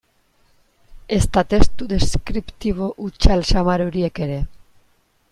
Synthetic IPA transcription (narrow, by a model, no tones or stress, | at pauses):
est̪at̪est̪ud̪eskɾipt̪iβoʔut͡ʃalʃamaɾoɾiekeɾe